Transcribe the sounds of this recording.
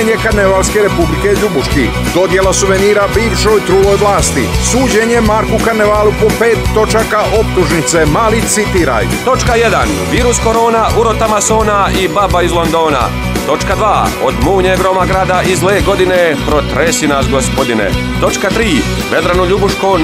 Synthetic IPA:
ɲekaɾneʋalske̞ɾe̞publike̞ʎubuʃki | d̪o̞d̪je̞lasuʋeniːɾabiːʋʃo̞jt̪ɾuːlojʋlaːst̪isuːd͡ʑeɲemaɾkukaɾneʋaːlupopeːt̪ːo̞t͡ʃakaʔopt̪uʒnit̪se̞maːlit̪sit̪iːɾa̰jt̪o̞t͡ʃkaje̞d̪a̰n | ʋiːɾusko̞ɾo̞ːnaʔuɾo̞t̪amaso̞ːnaibabaizlˠo̞nd̪o̞ːna̰ | t̪o̞t͡ʃkad̪ʋaːo̰d̪muːɲeɡɾo̞maɡɾaːd̪aʔizleːɡo̞d̪ine̞pɾot̪ɾesinasɡospo̞d̪inḛ | t̪o̞t͡ʃkat̪ɾiː | ʋe̞d̪ɾanoʎubuʃko

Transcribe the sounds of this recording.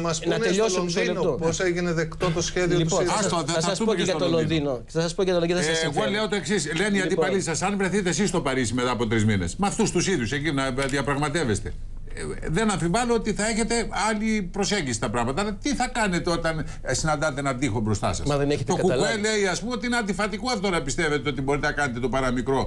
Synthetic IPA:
mɐsnɐneʎosloinoposeʝineðe̞kt̪ot̪osçe̞ðiot̪useɐst̪oðesɐsumeksɐololoðino | ɐsɐspojɐt̪ːɣole̞ot̪oe̞ksisleniɐnd̪ipɐlisɐsɐnvɾeθit̪e̞sist̪o̞pɐɾisime̞t̪ɐːpo̞t̪ɾizminesmɐft̪ust̪usiðjusecinɐðiɐpɾɐɣmɐt̪e̞ve̞st̪e̞̰ | ðe̞nɐpivɐloot̪iθɐe̞çe̞t̪e̞ɐlipɾo̞se̞ɲɟisi̥t̪ɐpɾɐɣmɐt̪ɐɐlɐt̪iθɐkɐne̞t̪e̞o̞t̪ɐn | sinɐnd̪ɐt̪e̞nɐðixobɾo̞st̪ɐ̰sɐ̰sɐðeneçet̪oɐkuɐele̞iɐspumo̞t̪iineɐnd̪ifɐt̪ikuɐfot̪onɐpist̪e̞ve̞t̪eo̞t̪ibo̞ɾit̪enɐkɐnet̪e̞t̪opɐɾɐmikɾo̞

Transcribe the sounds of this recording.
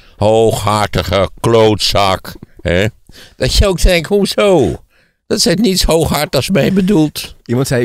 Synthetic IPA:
howxhaɹtəχəkloːtsakhɛd̥ɔtjəok̚tʰɛŋkhusow | d̥ɔtsɛtnitshowxhaɹtɔsmɛjbədulˠtimɑ̃ntsɛ

